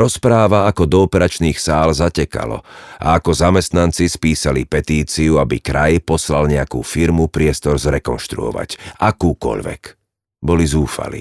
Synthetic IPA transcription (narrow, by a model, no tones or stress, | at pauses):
ɾɔspɾaːʋaakɔd̪ɔɔpɛɾat͡ʃniːxsaːlzacɛka̰lɔ̰ʔa̰akɔzamɛst̪nant͡sispiːsalipɛt̪iːt͡siuabikɾajpɔslalɲɛakuːfiɾmupɾɪɛst̪ɔɾzɾɛkɔnʃt̪ɾṵɔ̰ʋa̰ɟakuːkɔ̰ʎʋɛ̰k | bɔlizuːfa̰lḭ